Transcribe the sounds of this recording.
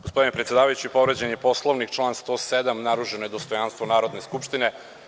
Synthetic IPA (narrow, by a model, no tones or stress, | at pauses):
ɡospo̞d̪inepɾet̪sjd̪aːʋajut͡ɕuipo̞ʋɾed͡ʑenijepo̞slˠoʋnikt͡ʃlˠaːnst̪o̞ːsed̪amnaɾuʒenojed̪ost̪o̞janst̪ʋonaːɾo̞d̪neskupʃt̪ine̞